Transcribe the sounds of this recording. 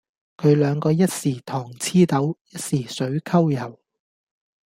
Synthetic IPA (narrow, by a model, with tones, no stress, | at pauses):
kʰɵ˨˧ɥlœː˨˧ŋkɔː˧jɐ˥t̚siː˨˩t̪ʰɔː˨˩ŋt͡sʰiː˥t̪ɐ˨˥wjɐ˥t̚siː˨˩sɵ˨˥ɥkʰɐ˥wjɐ˨˩w